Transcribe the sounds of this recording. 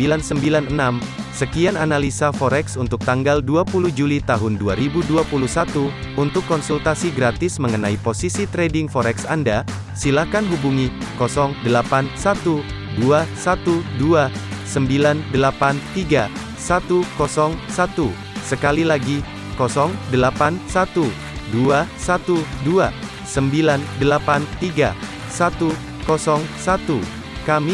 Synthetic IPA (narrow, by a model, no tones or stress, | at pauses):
ilansəmbilanənam | səkiananalisafɔɾɛksunt̪ʊk̚t̪aŋɡalduapuluhd͡ʒulit̪aɦʊnduaɾibuduapuluhsat̪u | unt̪ʊkːɔnsult̪asiɡɾat̪ɪsməŋənaiposisit̪ɾedɪŋfɔɾɛksanda | silakanɦubuŋikɔsɔŋdəlapansat̪u | duasat̪uduasəmbilandəlapant̪iɡa | sat̪ukɔsɔŋsat̪u | səkalilaɡi | kɔsɔŋdəlapansat̪u | duasat̪udua | səmbilandəlapant̪iɡa̰ | sat̪u | kɔsɔŋsat̪u | kami